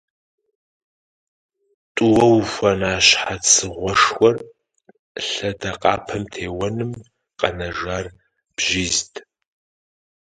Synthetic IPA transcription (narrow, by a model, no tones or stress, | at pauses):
tʼʊwɐwxʷɐnaːɕħat͡sʰɨʁʷɔʂxʷɔr | ɬɐdɐqʼɑ̰ːpʰɐmtʰeːwɐnɨm | qʼɐnɐʒaːr | b̥ʒiːztʰʼ